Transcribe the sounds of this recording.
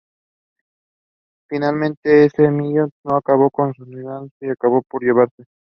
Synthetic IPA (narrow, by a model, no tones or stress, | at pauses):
finalmẽnt̪eesemijot̪noakaβokonsuniðanseakaβopoɾjeβaɾse